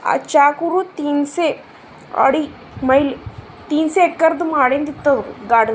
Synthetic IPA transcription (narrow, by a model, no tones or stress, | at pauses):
a̰ːt͡ʃaːkuɾut̪iːnse | ɐ̰ɽi | mɐjli | t̪iːnseːkːɐɾd̪umaːɽend̪it̪ːɐd̪ɾuɡaːɖɐ